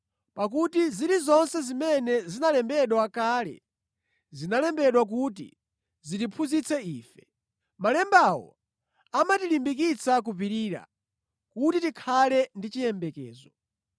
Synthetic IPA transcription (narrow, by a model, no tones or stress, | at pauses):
pak̬utiziɾizɔnsɛzimɛnɛzinalɛmbɛɗwakaːlɛ̰ | zinalɛmbɛɗwak̬ut̬ḭ | zitipʰuzit͡sʰɛiːfɛ̥ | malɛmbawɔ̰ | amatilimbik̬it͡sak̬upiɾiːɾa̰ | kutitikʰalɛndit͡ʃijɛmbɛkɛ̰ːzɔ